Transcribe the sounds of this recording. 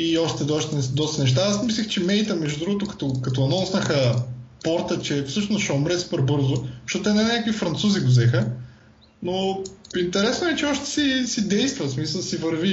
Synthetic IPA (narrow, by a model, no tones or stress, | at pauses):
iɔʃt̪ɛd̪ɔʃt̪ɛd̪ɔst̪ɐnɛʃt̪aasmislʲixt͡ʃɛmɛjt̪əmɛʒd̪ud̪ɾuɡot̪ʊkɐ̥t̪okɐt̪oɐnɔusnəxəpɔɾt̪ət͡ʃɛfsɤʃnosʃɛomɾɛsu̥pɛɾbɤɾzʊʃt̪ot̪ɛnɛnʲakvifɾɐnt̪suziɡozɛxə | noint̪ɛɾɛsnoɛt͡ʃɛɔʃt̪ɛ̥sisid̪ɛjst̪vəsmisəlˠsivəɾvi